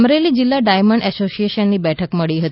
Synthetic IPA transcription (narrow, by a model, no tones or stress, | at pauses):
mɾelid͡ʑilːaɖajməɳɖɛsosieʃənːiːbɛʈʰəkməɭiɦət̪